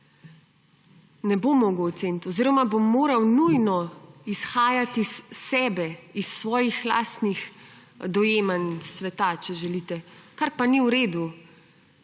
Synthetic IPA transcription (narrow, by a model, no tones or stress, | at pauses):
nɛbomɔɡowt̪sent̪ɔziːɾɔmabomːoːɾawnujnɔisxaːjat̪isːɛːbɛisːʋɔːjixla̰st̪nix | d̪ɔjeːmansʋɛt̪at͡ʃɛʒɛliːt̪ɛkaɾpaniwɾeːd̪u